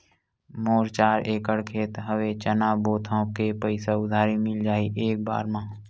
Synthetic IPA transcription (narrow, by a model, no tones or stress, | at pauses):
moːɾt͡ʃaːɾeːkəɽkʰeːt̪ɦəwet͡ʃənaːboːt̪ʰãːkepəɪsaʊd̪ʱaːɾimɪld͡ʒaːiʔeːk̚ba̰ːɾmãː